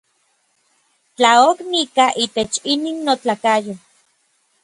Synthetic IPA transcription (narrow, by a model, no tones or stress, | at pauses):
t͡ɬaoknikaʔiːt̪et͡ʃiniːnːot͡ɬakajo